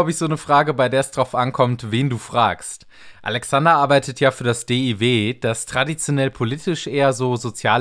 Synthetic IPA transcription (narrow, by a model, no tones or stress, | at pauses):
ʊbɪçz̥oːnəfʁ̥aːɡəbaɪdeːɐɛsd̥ʁaʊfʔankʰɔmtv̥eːnduːfʁ̥a̰ːkst | ʔa̰lɛksandɐʔaɐbaɪtətʰjaːfyːɐdasd̥eːiveːd̥astʁ̥adit͡sjonɛlpʰoliːtɪʃʔeːɐzoːzot͡sjaː